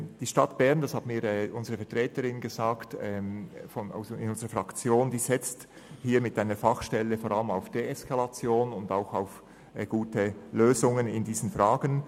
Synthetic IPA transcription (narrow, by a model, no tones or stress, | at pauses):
d̥iːʃtɑtb̥ɛʁndɑshatmiːɐɾɛːʔʊnzəʁəfɛɐtʁ̥ɛːtəɾɪnɡəzaːktɛfɔna̰ʊsɪ̰nʊnzəʁəfʁɑkt͡sjoːnd̥iːzɪt͡st | hiːɐmɪtaɪnəfɑχʃtɛləfoːɾɑləmaʊfd̥eɛskʰalat͡sjoːnʊndaʊxaʊf | ɡ̥uːtəløːzʊŋənɪndiːzən̩fʁaːɡən